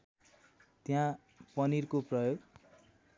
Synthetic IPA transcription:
t̪jã | pʌnirkoprʌjoɡ

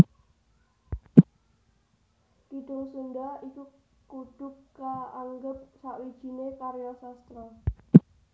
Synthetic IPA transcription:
kiɖ̥ʊŋsunɖaiku | kuɖ̥ʊ̤kːaːŋɡəp̚saʔwid̥ʒ̥i̤nekaɾjasast̪ɾɔ

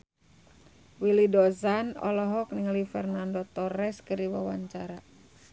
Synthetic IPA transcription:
wilidɔzanɔ̰lɔɦɔk̚niŋalifɛrnandot̪ɔɾɛskɨrdiwawaɲt͡ʃaɾa

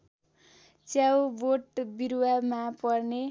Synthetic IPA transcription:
t͡sjawboʈbiɾwamapʌrne

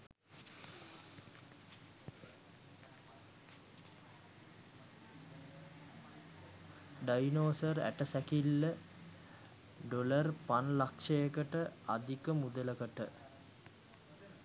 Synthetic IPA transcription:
ɖajnoːsəɾæ̰ʈəsɛkilːə | ɖolərpanlakʂɐjəkəʈəad̪ikəmud̪ələkəʈə

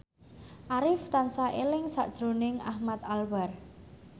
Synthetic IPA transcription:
ʔaɾɪft̪ansaʔelɪŋsa̰ʔd̥ʒ̥ɾo̤nɪŋahmat̪alwar

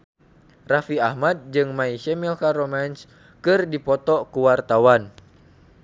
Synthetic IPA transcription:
rafiahmad̚d͡ʒɨŋmaiʃɛmilkaɾɔmans | kɨrdipɔt̪ɔkuwart̪awan

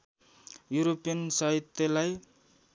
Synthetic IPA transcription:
juɾopijʌnsʌɦit̪ːʌlaj

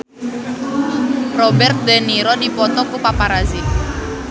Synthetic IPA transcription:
rɔbɛrt̪̚d̪eniɾɔdipɔt̪ɔkupapaɾazɪ

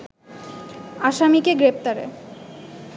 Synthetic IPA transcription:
aʃamikeɡɾep̚t̪aɾḛ

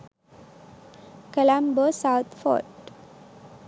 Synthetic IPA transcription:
kəlãmbosaʊt̪ʰfɔ̰ːʈ

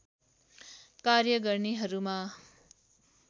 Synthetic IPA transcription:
karjʌɡʌrneɦʌɾuma

